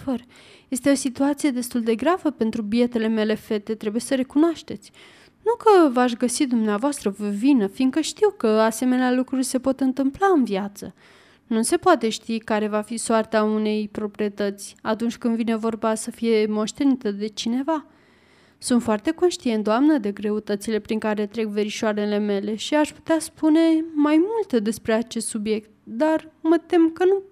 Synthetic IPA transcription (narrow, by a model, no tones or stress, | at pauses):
fər | je̞st̪e̞o̞sit̪uat̪sije̞d̪e̞st̪uld̪e̞ɡɾavəpe̞nt̪ɾubie̞t̪e̞le̞me̞le̞fe̞t̪e̞t̪ɾe̞buje̞səɾe̞kunoaʃt̪e̞t̪sʲ | nukəvaʃ̬ɡəsid̪umneavoast̪ɾəvəvinəfinɡ̪kəʃt̪iwkəase̞me̞nealukɾurʲse̞po̞t̪ɨnt̪ɨmplaɨnviat̪sə̰ | nuse̞poat̪e̞ʃt̪ikaɾe̞vafisoart̪aune̞jpɾo̞pɾie̞t̪ət̪sʲat̪unt͡ʃʲkɨnd̪vinevo̞rbasəfije̞mo̞ʃt̪e̞nit̪əd̪e̞t͡ʃine̞va | sunt̪foart̪e̞ko̞nʃt̪ient̪d̪oamnəd̪e̞ɡɾe̞ut̪ət̪sile̞pɾiŋkaɾe̞t̪ɾe̞kve̞ɾiʃoaɾe̞le̞me̞le̞ʃiaʃpu̥t̪easpune̞majmult̪d̪e̞spɾe̞at͡ʃe̞st̪subje̞kt̪̚d̪armət̪e̞mkənu